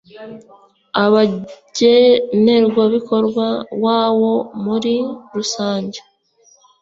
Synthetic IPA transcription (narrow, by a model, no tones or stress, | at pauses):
aβaɟene̞ɾɡwoβiko̞ɾɡwawaːβo̞muɾiɾusaːɲɟe